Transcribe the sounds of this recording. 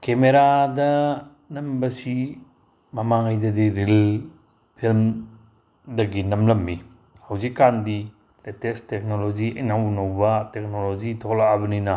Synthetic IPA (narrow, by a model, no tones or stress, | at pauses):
kemeɾadɐ | nɐmbɐsi | mɐmaŋajdɐdiɾil | pʰilm | dɐɡinɐmlɐmbi | hawzikːandi | letestek̚nolod͡ʒiɐ̰jnawnɐwbɐtek̚nolod͡ʒitʰɔklaːbɐninɐ